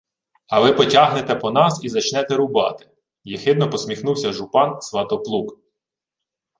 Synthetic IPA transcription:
ɐʋɪpɔtʲɑɦnet̪ɛpɔnɑsizɐt͡ʃnɛt̪ɛɾʊbɑ̰t̪ɪ̥ | jixɪd̪nɔpɔsmʲixnuwsʲɐʒʊpɑnsʋɑt̪ɔplˠuk

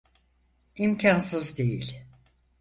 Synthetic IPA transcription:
imcʰansɯzd̪e̞jilʲ

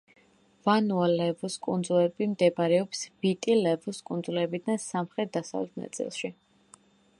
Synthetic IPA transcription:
vanualɛvuskʼṵnd̪zulɛbimd̪ɛbaɾɛɔpsb̥it̪ʼilɛvuskʼund̪zulɛbid̪ansamχɾɛt̪̚d̪asa̰vlɛt̪ʰna̰t̪sʼḭlˠʃi

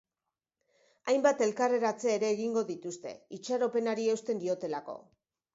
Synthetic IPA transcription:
ajmbat̪e̞lkare̞ɾat͡seːɾe̞ːɣiŋɡo̞ðit̪ust̪e̞̰it͡ʃaɾo̞pe̞naɾiewst̪e̞nd̪io̞t̪e̞lako̞̰

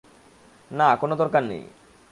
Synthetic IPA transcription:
nakonod̪ɔɾkannḛj

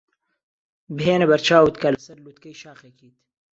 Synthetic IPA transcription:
bɦeːnɐbɐɾt͡ʃʰaːwut̪kɐlɐsɐɾlut̪kɐjʃaːxekiːt̪

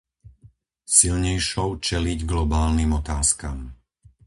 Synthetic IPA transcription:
silɲɛjʃɔʊt͡ʃɛliɟɡlɔbaːlnimɔt̪aːskam

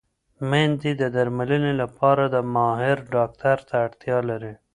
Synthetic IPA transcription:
mend̪id̪əd̪aɾmalənelapɑɾad̪əmɑɦɪɾɖɑk̚t̪aɾt̪aːɽt̪jɑlaɾi

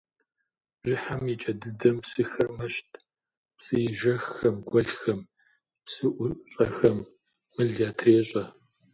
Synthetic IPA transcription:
bʒɪħamjit͡ʃʼɐdɨdɐmsɨxɐrmɐʃtʰ | psɨjɪʒɐxːɐmɡʷɐɮxɐm | psɨʔʷʊɕʼɐxɐmː | ɨɮjaːtʰreːɕʼɐ

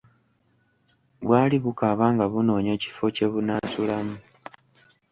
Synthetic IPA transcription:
βwaːliβukaβaːŋɡaβuno̞ːɲo̞ci̥fo̞ce̞βunasulamu

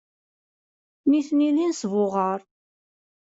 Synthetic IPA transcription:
niθnilinsvʊʁəɾˤ

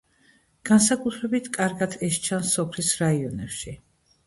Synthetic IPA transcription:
ɡ̥ansakʼut̪ʰɾɛbit̪ʰkʼaɾɡad̪ʰɛʃt͡ʃʰansɔpʰlisɾaiɔnɛpʃi

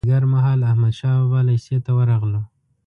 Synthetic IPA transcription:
ɡaɾmaɦɑlahmad̪ʃɑbalaset̪awəɾɑɣlo

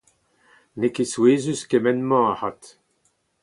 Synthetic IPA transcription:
nekesweːzyskemɛnmɑ̃ahat̪

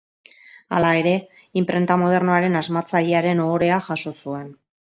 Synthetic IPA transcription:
a̰lae̞ɾe̞ | impɾe̞nt̪amo̞ð̞e̞rnoaɾe̞nazmat͡saʎeaɾe̞noɾe̞axaʃo̞sue̞n

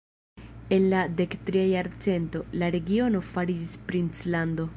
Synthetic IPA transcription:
e̞nlade̞ktɾiajaɾt͡se̞nto̞laɾe̞ɡio̞no̞faɾid͡ʒispɾint͡slando̞

